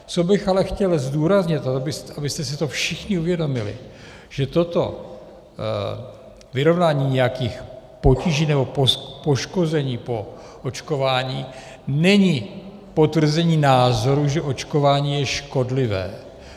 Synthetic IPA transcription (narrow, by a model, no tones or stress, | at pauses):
t͡so̞bɪxalɛxcɛlzduːɾazɲɪt̪abɪsabɪst̪ɛs̬ɪt̪o̞fʃɪxɲɪuvjɛdo̞mɪlɪ̰ | ʒ̥ɛt̪o̞t̪o̞̰ | vɪɾo̞vnaːɲiːɲɛjakiːxpo̞ciʒiːnɛbo̞popo̞ʃko̞zɛɲiːpo̞ | ʔot͡ʃko̞vaːɲiː | nɛɲi | po̞t̪vr̩zɛɲiːnaːzo̞ɾuʒɛʔo̞t͡ʃko̞vaːɲiːjɛʃko̞dlɪvɛ̰ː